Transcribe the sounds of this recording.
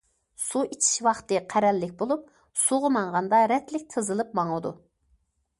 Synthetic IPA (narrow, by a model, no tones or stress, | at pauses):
suit͡ʃʰi̥ʃwɑχt̪ɨqʰæɾɛlːɪk̚ʲbolˠup̚ | suʁʊmɑŋʁɑnd̪ɑɾɛt̪lɪk̚ʲt̪ʰɨzɨlˠɨp̚mɑŋɨd̪u